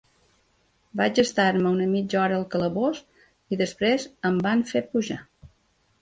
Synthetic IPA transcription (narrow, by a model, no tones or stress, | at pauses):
bad͡ʒəst̪aɾməunəmid͡ʒɔɾəːlˠkələβoz | iðəspɾezəmbanfepuʒa